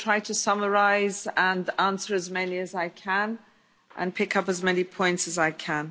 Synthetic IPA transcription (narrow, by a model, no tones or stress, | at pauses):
tʰɹ̥aɪtʰəsʌməɹaɪzə̃nãnsə˞əzmɛniɨzaɪkʰə̃n | ʔə̰̃npʰɪkʌpəzmɛnipʰɔ̃ɪ̃ntsəzaɪkʰə̃n